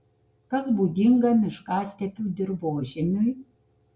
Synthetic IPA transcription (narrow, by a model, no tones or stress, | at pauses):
kɐsbuːɡ̪ʲɪŋɡɐmʲɪʃkɑːsʲt̪ʲɛpʲuːd̪ʲɪɾboːʒʲɛnʲʊj